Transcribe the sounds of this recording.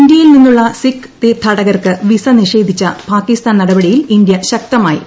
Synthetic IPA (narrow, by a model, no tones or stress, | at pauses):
nd̪jɐjilninːuɭːɐsikː | t̪eːt̪ʰːɐɽɐɣɐrkɨʋisɐniʂe̞ːd̪ʱit͡ɕːɐpaːkːist̪aːnɐɽɐbɐɽijilind̪jɐɕɐk̚t̪ɐmaːjḭ